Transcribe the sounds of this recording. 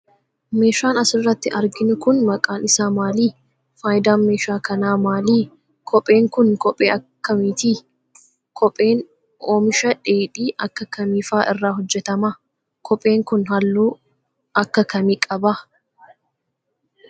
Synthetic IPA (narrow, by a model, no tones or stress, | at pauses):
me̞ːʃaːnɐsɪrːɐt̪ːɪʔɐɾɡɪnʊkʊnmɐkʼaːnɪsaːmaːliː | faːjd̪aːnmeːʃaːkɐnaːmaːliː | kʰɔpʼːe̞ːŋkʊnkɔpʼːeːɐkkːɐmiːt̪iː | kʰɔpʼːe̞ːn | ʔoːmɪʃɐᶑeːᶑiːʔɐkːɐkɐmiːfaːʔɪrːaːhɔd͡ʒːɛt̪ɐmɐ | kʰɔpʼːe̞ːŋkʊnhɐlːuː | ɐkːɐkɐmiːkʼɐbɐ